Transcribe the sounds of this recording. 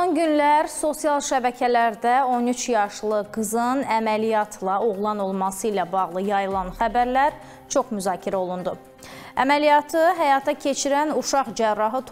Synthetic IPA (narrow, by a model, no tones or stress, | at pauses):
onɟynlæɾso̞sijɑlˠʃæbæcʰælæɾd̪æo̞nyt͡ʃʰjɑʃlˠɯɡɯzɯnæmælijɑt̪ʰlˠɑoɣlˠɑno̞lˠmɑsɯilæbɑɣlˠɯjɑjɯlˠɑnχæbæɾlæɾ | t͡ʃʰo̞χmyzɑːcʰiɾæo̞lˠund̪u | æmælijɑt̪ʰɯɦæjɑt̪ʰɑcʰe̞t͡ʃʰiɾænuʃɑχd͡ʒærːɑɦɯt̪ʰ